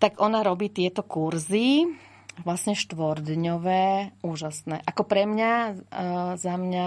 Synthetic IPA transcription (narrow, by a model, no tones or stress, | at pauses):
t̪aɡʔɔnaɾɔbiːt̪ɪɛt̪ɔkuɾzi | ʋlasɲɛʃt̪ʋɔɾd̪ɲɔʋɛːuːʒasnɛːʔakɔpɾɛmɲa | zamɲa